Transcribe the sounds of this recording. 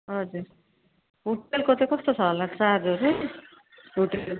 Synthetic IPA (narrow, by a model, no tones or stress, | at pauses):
ɦʌd͡zuɾ | ɦuʈelkot̪ekʌst̪ot͡sʰʌɦʌlakt͡sadʌɾu | ɦuʈel